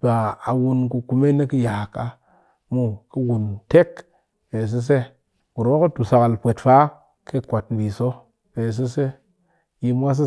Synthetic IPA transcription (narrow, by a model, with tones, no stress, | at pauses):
ba˨a˨wu˦nku˧ku˨me˦ne˦ki˦ja˨ka˦ | mu˦ki˦wu˨nte˦k | pe˨s̬e˦s̬e˦ | ku˨ɾo˦ko˦tu˨sa˨ka˨lpʷe˨tfa˦ | ke˦kʷa˨tn˨bi˨so˦ | pe˨s̬e˦se˦ | ji˦m˦wa˦s̬i˦